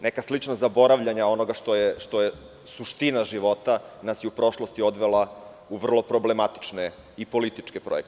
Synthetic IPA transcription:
nekaslit͡ʂnazabo̞ɾaʋʎaɲao̞no̞ɡaʃt̪ojeʃt̪o̞je | suʃt̪inaʒiʋo̞t̪anasjeupɾo̞ʃlˠo̞st̪io̞d̪ʋelˠa | uʋr̩lˠo̞pɾo̞blemat̪i̥t͡ʂne | ipo̞lit̪it͡ʂkepɾojekt̪

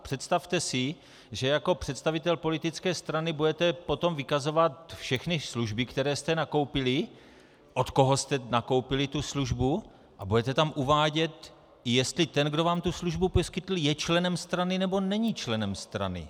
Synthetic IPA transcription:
pr̥ɛt̪st̪aft̪ɛsɪ | ʒɛjako̞pr̥ɛt̪st̪avɪt̪ɛlpo̞lɪt̪ɪt͡skɛːst̪ɾanɪbudɛt̪ɛpo̞t̪o̞mvɪkazo̞vat̪fʃɛxnɪsluʒbɪkt̪ɛɾɛːst̪ɛnako̞wpɪlɪ | ʔo̞t̪ko̞ɦost̪ɛnako̞wpɪlɪt̪usluʒbu | ʔabudɛt̪ɛt̪amʔuvaːɟɛt̪ | ɪjɛst̪lɪt̪ɛnɡdo̞vaːmt̪usluʒbuposkɪt̪l̩jɛt͡ʃlɛnɛmst̪ɾanɪnɛbo̞nɛɲit͡ʃlɛnɛmst̪ɾa̰nɪ̰

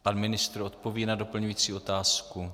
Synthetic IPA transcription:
panmɪnɪst̪ɾo̞t̪po̞vinado̞pl̩ɲujiːt͡siːo̞t̪aːsku

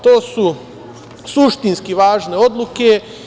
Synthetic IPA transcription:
t̪oːsu | suʃt̪inskiʋaːʒne̞o̞d̪luke

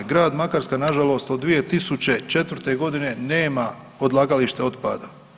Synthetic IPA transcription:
ɡɾaːd̪makaɾskanaʒalo̞st̪od̪ːʋije̞t̪isut͡ɕe̞t͡ʃe̞t̪ʋɾt̪eɡo̞d̪ine̞ne̞ːma | o̞d̪lˠaːɡaliʃt̪eo̞t̪pa̰ːd̪a

